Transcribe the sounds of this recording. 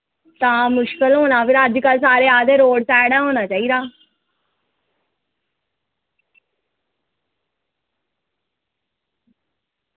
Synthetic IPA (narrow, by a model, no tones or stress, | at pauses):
t̪ãːmʊʃkəlɦoːnaːpʰɪɾəd͡ʒkəlsaːɾeːaːt̪eːɾoːɖsɛːɽaːɦoːnaːt͡ʃaːiːd̪aː